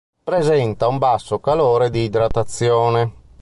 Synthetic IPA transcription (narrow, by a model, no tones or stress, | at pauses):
pɾezɛnt̪aumbasːokaloːɾed̪iːd̪ɾat̪at̪sːjɔːne